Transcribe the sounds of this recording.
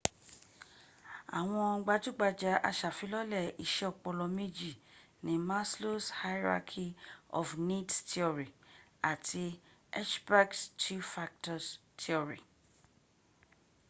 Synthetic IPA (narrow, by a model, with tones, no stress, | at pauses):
a̰˨w̃ɔ̃˧˦ɡ͡ba˧d͡ʒu˦ɡ͡ba˧d͡ʒa˧˦ʔa̰˧ʃa˨fi˨˦lɔ˦lɛ˦˨i˨ʃɛ˧ɔ˦˨k͡pɔ˧lɔ˧mĩ˦d͡ʒi˦˨ | nĩ˨˦ma˦slo˦sha˦jɾa̰˧kʰi˦ɔ̰˨fni˦ttʰi˦ɔ˨ɾi˨a˨tʰi˧ɛ˦ʃba˦kstʰu˦fa˧k̚tɔ˨stʰi˦ɔ˨ɾḭ˨